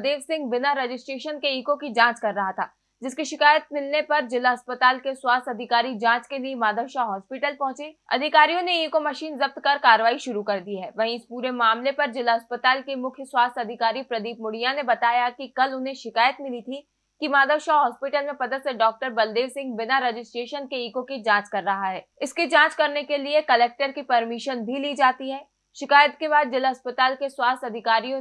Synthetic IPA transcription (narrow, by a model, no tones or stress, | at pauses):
d̪eːʋsɪ̃ŋɡ̚bɪnaɾed͡ʒɪsʈɾeːʃənkeiːkõkid͡ʒãːt͡ʃkɐɾːɐɦat̪ʰa̰ː | d͡ʒɪskiʃɪkaːjət̪̚mɪlnepɐɾd͡ʒɪlaɦɐspət̪aːlkeswaːst̪ɐd̪ʱɪkaːɾid͡ʒãːt͡ʃkeliemaːd̪ʱəʋʃaɦɔːspɪʈəlpɐ̃ɦʊ̃t͡ʃeɐ̰d̪ʱɪkaːɾijõneiːkomɐʃiːnzɐb̚t̪kɐɾkaːɾəʋaːiʃʊɾukɐɾd̪iɦɛːʋɐɦĩɪspuːɾemaːmlepɐɾd͡ʒɪlaɦɐspət̪aːlkemʊkʰjəswaːst̪ɐd̪ʱɪkaːɾipɾɐd̪iːpmʊɽijanebɐt̪aːjakikɐlʊnɦẽʃɪkaːjət̪mɪlit̪ʰi | kimaːɡ̪əʃaːɦɔːspɪʈəlmẽpɐd̪ət̪seɖɔːk̚ʈəɾbɐld̪eːʋsɪ̃ŋɡbɪnaɾed͡ʒɪsʈɾeːʃənkeiːkõkid͡ʒãːt͡ʃkɐɾːɐɦaɦɛːɪskid͡ʒãːt͡ʃkɐɾnekeliekɐlɛːk̚ʈəɾkipɐɾmɪʃənbʱiliːd͡ʒaːt̪iɦɛː | ʃɪkaːjət̪kebaːd̪̚d͡ʒɪlaɦɐspət̪aːlkeswaːst̪ɐd̪ʱɪkaːɾijõ